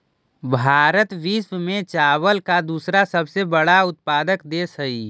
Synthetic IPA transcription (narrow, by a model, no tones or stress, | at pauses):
bʱaːɾət̪ʋiswmẽt͡ʃaːwəlkad̪uːsɾasəbsebəɽaʊt̪̚paːd̪əkd̪eːsɦəi